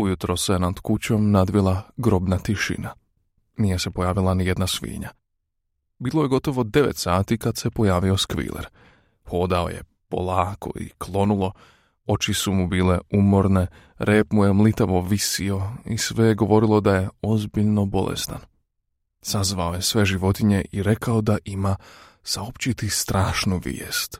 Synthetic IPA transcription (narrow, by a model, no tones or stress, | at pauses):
ujut̪ɾosenad̪kut͡ɕo̞mnad̪ʋilˠaɡɾo̞bnat̪iʃḭna | niːje̞se̞po̞jaːʋilˠanijed̪nasʋḭːɲa | biːlˠojeɡo̞t̪o̞ʋo̞d̪e̞ʋet̪saːt̪ikad̪se̞po̞jaːʋio̞skʋḭlʔḛɾ | xo̞ːd̪ao̞̰jḛ | po̞̰lˠaːkʰo̞̰ḭklˠo̞nulˠo̞ | o̞t͡ʃisumubiːle̞umo̞ɾne̞ | ɾeːpmujemlit̪aʋo̞ʋisio̞isʋejeɡo̞ʋo̞ɾilo̞d̪aje̞o̞zbiʎno̞bo̞̰lˠʔḛst̪an | sazʋao̞je̞sʋe̞ʒiʋo̞t̪iɲe̞ʔiɾe̞kao̞d̪aʔima | saopt͡ɕit̪ist̪ɾaːʃnuʋḭeːst̪